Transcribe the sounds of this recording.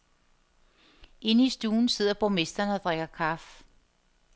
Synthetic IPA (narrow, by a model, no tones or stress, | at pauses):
e̝nəisd̥uːn̩se̝ð̞̰ˠɐb̥ome̝sd̥ɐnəɒ̽d̥ʁeɡ̥ɐkʰɑ̈f